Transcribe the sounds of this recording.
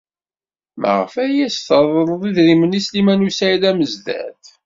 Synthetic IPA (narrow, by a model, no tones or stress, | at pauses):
mʔə̰ʁfæjæsθəðˤəɾˤəðˤiðɾimənislimænusælæməzðæ̰θ